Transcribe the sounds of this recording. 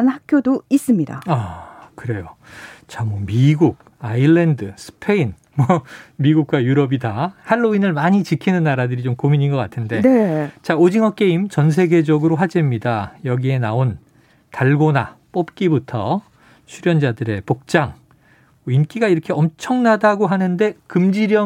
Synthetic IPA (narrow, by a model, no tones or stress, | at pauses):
anhakʰjodois͈ɯmɲida̰akɯɾe̞jo | t͡ɕamwʌmiɡuɡ̚ | aiɭːendɯsʰɯ̥pʰe̞in | mwʌmiɡuk̚k͈wajuɾʌbidahaɭːoinɯɭmaɲit͡ɕikʰinɯnːaɾadɯɾit͡ɕomkomiɲinɡʌk͈atʰɯnde̞net͡ɕaod͡ʑiŋʌk͈e̞imt͡ɕʌns̬ʰe̞ɡe̞d͡ʑʌɡɯɾoɸad͡ʑemɲidajʌɡie̞naon | taɭɡona̰p͈op̚k͈ibutʰʌ | t͡ɕʰuɾjʌnd͡ʑadɯɾe̞pok̚t͡ɕ͈aŋ | ink͈iɡaiɾʌkʰeʌmt͡ɕʰʌŋnadaɡoɦanɯnde̞kɯmd͡ʑiɾjʌ